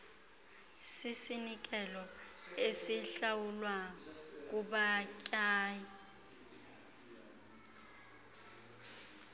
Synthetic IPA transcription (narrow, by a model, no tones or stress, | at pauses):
sisinik̬ʼɛlɔesiɬawulwak̬ʼuɓacʼaːji